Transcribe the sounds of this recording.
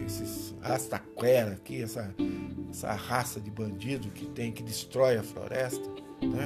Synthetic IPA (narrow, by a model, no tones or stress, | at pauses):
esɪshast̪aklɛɾɐkiɛsɐɛsɐ̰hasɐd̪ɪbɐ̃nd͡ʒid̪ʊkɪt̪ẽj̃kɪd̪ɪst̪ɾɔjɐflo̰ɾɛst̪ɐ | t̪